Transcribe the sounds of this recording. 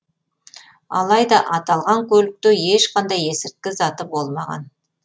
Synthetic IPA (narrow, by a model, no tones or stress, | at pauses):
ɑ̰lˠɑjd̪ɑʔɑt̪ɑlˠʁɑŋkʲʰɵlɪk̚t̪eeʃqʰɑnd̪ɑje̞sɪɾt̪̚kʲɪzɑt̪əbo̞lˠmɑʁɑ̰n